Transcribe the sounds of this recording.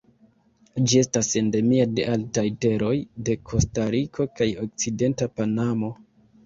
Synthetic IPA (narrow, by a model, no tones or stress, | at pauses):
d͡ʒie̞stase̞nde̞miade̞ʔaltajte̞ɾo̞jde̞kʰo̞staɾikʰo̞kajo̞k̚t͡side̞ntapanamo̞